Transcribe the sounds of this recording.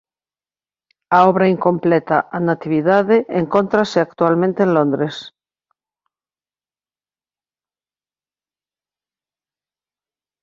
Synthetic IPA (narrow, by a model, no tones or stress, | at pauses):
aoβɾaiŋko̞mplet̪aʔanat̪iβ̞iðaðeʔːŋkont̪ɾaseak̚t̪ualmẽnt̪eenlõnd̪ɾes